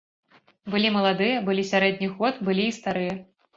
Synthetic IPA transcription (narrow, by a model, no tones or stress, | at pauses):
bɨlʲimɐlˠad̪ɨjɐbɨlʲisʲaɾɛd̪ʲnʲiɣɔt̪bɨlʲiːst̪aɾɨjɐ